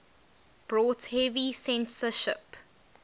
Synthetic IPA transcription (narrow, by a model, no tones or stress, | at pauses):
b̥ɹɔːthɛvisɛ̃nsəʃɪp